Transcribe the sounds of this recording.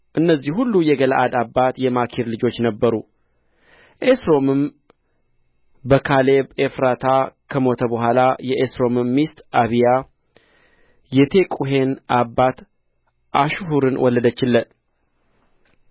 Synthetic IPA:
ʔɨnːəzːihhulːujɛɡələ̰ʔad̪abːat̪jɛmakʰiɾlɨd͡ʒo̞t͡ʃːnəbːəɾu | ʔesɾo̞mɨm | bəkʰalebefɾat̪ʰakʰəmo̞t̪ʰəbəɦʷalajɛʔesɾo̞mɨmːist̪aβija | jɛt̪ʰe̞kʼuɦe̞nʔabːat̪ | ʔaʃuhuɾɨnwʔɔlːəd̪ət͡ʃːɪlːət̪

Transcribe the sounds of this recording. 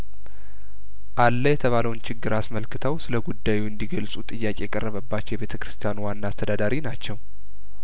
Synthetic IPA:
ʔalːəjɛt̪ʰəβaləwnt͡ʃʰɪɡːɨɾasməlkɨt̪ʰəwsɨləɡud̪ːajuɨnd̪iɡəlsʼut̪ʼɨjːakʼe̞jɛkʼərːəβəbːat͡ʃːjɛβe̞t̪ʰəkɾɨ̥st̪ʰijanuwanːaːst̪ʰəd̪ad̪aɾinat͡ʃːɛw

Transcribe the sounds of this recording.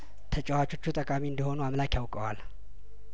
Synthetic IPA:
t̪ʰət͡ʃʼɛwat͡ʃo̞t͡ʃːut̪ʼəkʼamiɨnd̪iho̞nuamlakjawkʼəwal

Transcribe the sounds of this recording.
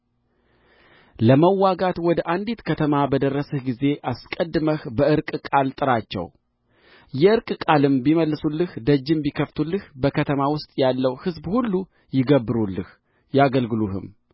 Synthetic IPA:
ləməwːaɡat̪wɔd̪əʔand̪it̪kʰət̪ʰəmabəd̪ərːəsəhɡize̞ʔaskʼəd̪ːɨməhbəɨɾkʼkʼalt̪ʼɨɾat͡ʃːɛ̰w | jɛɨɾkʼkʼalɨmbiməlːɨsulːɨhd̪əd͡ʒːɨmbikʰəft̪ʰulːɨhbəkʰət̪ʰəmawʊst̪ʼjalːəwhɨzbhulːu | jɪɡəbːɨɾulːɨ̰h | jaɡəlɡɨluhɨ̰m

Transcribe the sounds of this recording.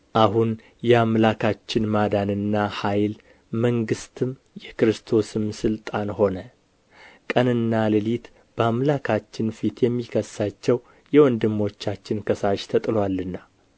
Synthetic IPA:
ʔaɦun | jɛamlakʰat͡ʃːɪnmad̪anɨnːahajl | məŋɡɨst̪ʰɨm | jɛkɾɨst̪ʰo̞sɨmsɨlt̪ʼanho̞nə | kʼənɨnːalɨlit̪ | b̥əamlakʰat͡ʃːɪnfit̪ʰjɛmːikʰəsːat͡ʃːɛw | jɛwɔnd̪ɨmːo̞t͡ʃːat͡ʃːɪnkʰəsaʃt̪ʰət̪ʼɨlwalːɨnːa

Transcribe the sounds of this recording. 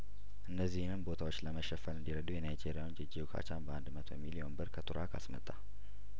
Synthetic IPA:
ʔɨnːəzːihnɨnbo̞t̪ʰawo̞t͡ʃːləməʃːɛfəɾɨnd̪iɾəd̪ujɛnajd͡ʒeɾijawnd͡ʒɛd͡ʒewkʰa̰t͡ʃanbəand̪mət̪ʰo̰milio̞nbɨɾkʰət̪ʰuɾakʰa̰smə̰t̪ʼːa

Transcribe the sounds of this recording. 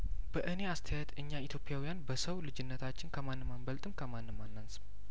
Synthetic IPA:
b̥əʔɨne̞ast̪ʰəjajɛt̪ʰɨɲːait̪jo̞pʼjawijanbəsəwlɨd͡ʒɪnːət̪ʰat͡ʃːɪnkʰəmanːɨmambəlt̪ʼɨmkʰəmanːɨmːanːansɨm

